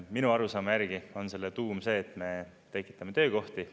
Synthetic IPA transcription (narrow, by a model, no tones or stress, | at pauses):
minuɑɾusɑːmejæɾɡ̥io̞nse̞lːet̪uːmse̞ːt̪me̞ | t̪e̞kːˑi̥t̪ːˑɑmet̪ø̞ːko̞ht̪i